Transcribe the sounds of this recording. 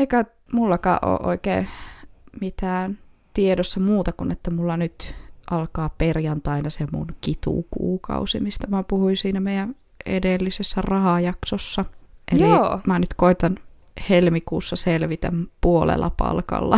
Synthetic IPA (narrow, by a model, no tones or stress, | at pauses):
eikæ | mulːɑkɑ̰ːʔʔo̰ːʔo̰ikḛː | mit̪æːn | t̪iedosːɑmuːt̪ɑkunet̪ːæmulːɑnyt̪ʔɑlkɑːperjɑnt̪ɑinɑsemṵnkit̪ṵˑkṵːkɑ̰usimist̪ɑmæpuhuinsiːnæmeijæn | ḛdelːisesːærɑhɑjɑksosːɑʔeliomænyt̪koit̪ɑn | helmikuːsːɑselʋit̪æ̰mpuolḛlʔɑ̰pɑ̰lkɑ̰lːɑ